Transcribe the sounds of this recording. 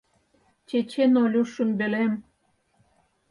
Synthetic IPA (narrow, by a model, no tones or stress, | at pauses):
t͡ɕet͡ɕenolʲuʃunbelem